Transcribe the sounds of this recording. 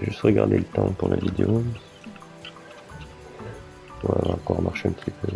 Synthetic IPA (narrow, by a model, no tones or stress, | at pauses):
ʒyst̪ʁəɡaʁd̪elət̪ɑ̃puʁlʔavid̪eo | uavaɑ̃kɔʁmaʁʃeɛ̃mpət̪ipʰø